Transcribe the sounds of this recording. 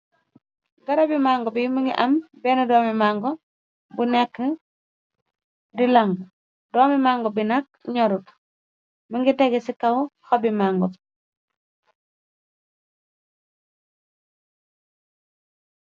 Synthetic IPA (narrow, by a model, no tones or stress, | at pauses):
ɡɐɾabimaːŋɡɔbimiŋɡḭʔɐmbɛnudɔːmimaŋɡɔ | bunɛkːə | dilaŋɡ | dɔːmimaŋɡɔbinak̚ɲɔɾut | miŋɡiteɡɛsikɐwhɔbimaŋɡɔ